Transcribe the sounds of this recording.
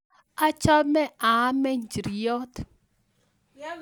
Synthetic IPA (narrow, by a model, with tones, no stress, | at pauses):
a˦t͡ʃa˦mɛ˦a˨˦mɛ˦n˨d͡ʒi˨ɾi˨jɔ˦t